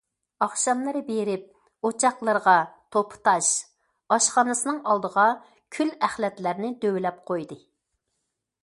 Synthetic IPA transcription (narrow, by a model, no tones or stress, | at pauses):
ɑχʃɑmlˠɨɾɨbeɾɪp̚ | ot͡ʃʰɑqlˠəɾʁɑt̪ʰopʰt̪ʰɑʃ | ɑʃχɑnɨsɨnɨŋɑlˠd̪əʁɑ | kʲʰylæχlɛt̪læɾnɪd̪øwlɛp̚qʰojd̪ɨ